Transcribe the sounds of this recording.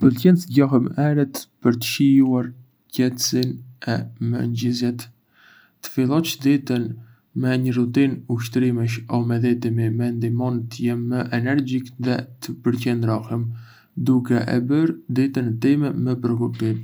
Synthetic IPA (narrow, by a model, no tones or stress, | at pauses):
pəlcɛnsɟaɦəmɛɾɛt̪pəɾt̪ə̥ʃijuaɾ | cɛt̪əsinɛmə̰ɲd͡ʑizjɛt̪ː | ə̥filˠɔt͡ʃd̪it̪ən | mɛɲərut̪inuʃ̬t̪ɾiməʃ̬ɔmɛðɛt̪imimɛnd̪imɔnət̪ːjɛmːəʔɛnɛɾd͡ʑikðɛt̪əpəɾcɛnd̪ɾɔhəm | d̪ukɛʔɛ̰bəɾd̪it̪ənɛt̪imɛməpəɾɔkupt̪im